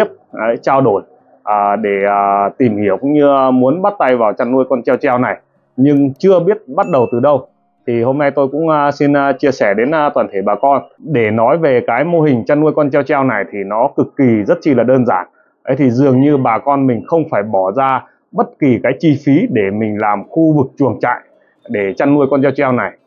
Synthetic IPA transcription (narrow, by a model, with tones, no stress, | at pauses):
əp̚ʔə˨˦jt͡ɕaː˧wɗo˧˩j | ʔəː˨˩ɗe˧˩əː˩t̪i˨˩mhi˧˩əwkɲɨ˧mu˨˦ənɓa˦˥t̚t̪a˧jvaː˨˩wt͡ɕa˧nːu˧əjkɔ˧nt͡ɕa˧wt͡ɕaː˧wna˨˩j | ɲɨ˧ŋt͡ɕɨ˧əɓi˦˥ət̚ɓa˦˥t̚ɗə˨˩wt̪ɨ˨˩ɗə˧w | t̪ʰi˨˩ho˧mna˧jt̪o˧jkʊ̰˧˥ŋ͡msi˧nː˧t͡ɕi˧əsɛ˧˩ɗe˨˦nː˧t̪waː˨˩nt̪ʰe˧˩ɓaː˨˩kɔ˧nɗe˧˩nɔ˨˦jve˨˩kaː˨˦jmo˧ɦï˨˩ŋ̟t͡ɕa˧nːu˧əjkɔ˧nt͡ɕa˧wt͡ɕa˧wna˨˩jt̪ʰi˨˩nɔ˨˦kɨ˨˩kːi˨˩zə˦˥t̚t͡ɕi˧˩laː˨˩ɗəː˧nzaː˧˩n | ʔə˨˦jt̪ʰi˨˩zɨ˨˩əŋɲɨ˧ɓaː˨˩kɔ˧nmï˨˩ŋ̟xə˧wŋ͡mfaː˧˩jɓɔ˧˩zaː˧ | ɓə˦˥t̚ki˨˩kaː˨˦jt͡ɕi˧fi˨˦ɗe˧˩mï˨˩ŋ̟laː˨˩mxu˧vɨ˨˩k̚t͡ɕu˨˩əŋt͡ɕa̰ː˧˨j | ɗe˧˩t͡ɕa˧nnu˧əjkɔ˧nt͡ɕɛ˧wt͡ɕa˧wna˨˩j